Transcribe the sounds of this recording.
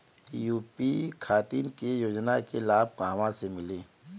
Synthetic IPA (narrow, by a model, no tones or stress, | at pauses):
juːpikʰaːt̪iːnkejoːd͡ʒnakelaːb̚kːɐʋãsemɪleː